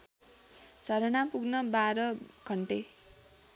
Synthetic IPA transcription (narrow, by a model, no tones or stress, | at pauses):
t͡sʌɾʌnapuɡnʌbaɾʌɡ̥ʱʌɳʈe